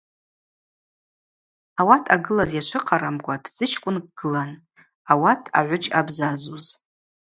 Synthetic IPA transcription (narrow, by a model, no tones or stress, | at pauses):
awatʰaɡɨlazjaʃʷʰɨqʰaɾamɡʷatʰʼz̥ɨt͡ʃʰkʷʼʊnkɡ̥ɨlan | awatʰa̰ʕʷʊʈ͡ʂʼabzazuz